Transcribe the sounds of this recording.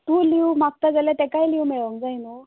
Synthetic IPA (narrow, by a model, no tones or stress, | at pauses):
t̪ũliwmak̚t̪ad͡zəlat̪ekajliwmeɭʋəŋkd͡zajna